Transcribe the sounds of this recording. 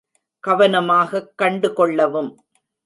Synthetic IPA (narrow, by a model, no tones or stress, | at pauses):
kɐʋɐnɐmaːɣɐkːɐɳɖɯkɔɭːɐʋɯm